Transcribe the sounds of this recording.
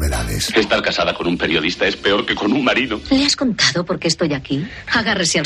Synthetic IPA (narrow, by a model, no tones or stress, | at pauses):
βeða̰ðḛse̞st̪aɾkasaðakonumpe̞ɾjo̞ðist̪ae̞spe̞o̞ɾke̞ko̞nuŋmaɾiðoleasko̞nt̪aðopo̞ɾke̞ːst̪o̞jaki | aɣaresjal